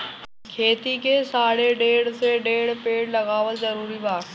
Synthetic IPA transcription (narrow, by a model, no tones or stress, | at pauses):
kʰeːt̪ikʰeːsaːɽeɖeːɽseɖeːɽpeːɽlɐɣaːʋəlzɐɾuːɾibaː